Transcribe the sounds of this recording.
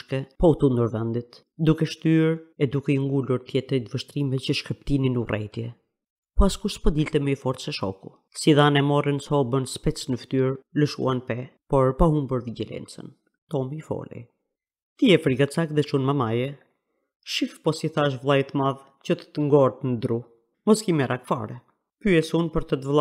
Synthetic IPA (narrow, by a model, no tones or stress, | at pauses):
ʃkɛpɔut̪und̪uɾvɛnd̪it̪ | d̪ukɛʃt̪yɾɛd̪ukɛiŋɡuluɾt̪jɛt̪ɾɛt̪vəʃt̪ɾimɛcəʃkəpt̪ininurʔɛ̰jt̪jɛ | pɔaskuʃt̪pɔd̪ilt̪ɛmɛifɔɾt͡sɛʃɔ̰ku | siðanɛmɔrənsɔbənspɛt͡snəft̪yɾləʃṵanpɛpɔɾpaɦumbəɾvid͡ʑɛlɛ̰nt͡sə̰n | t̪ɔmifɔ̰lḭ | t̪əjɛfɾiɡat͡sakðɛt͡ʃunmamajɛ | ʃifpɔsiθaʃ̬vlˠajt̪əmað | cət̪ə̥t̪əŋɡɔɾt̪nd̪ɾu | mɔskimɛɾʔakfa̰ɾɛ | kyɛsunpəɾt̪ət̪əvlˠa